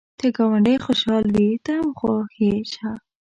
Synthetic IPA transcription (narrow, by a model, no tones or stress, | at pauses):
t̪eɡɑwaɳɖəjxoʃɑld̪it̪amxoxet͡ʃa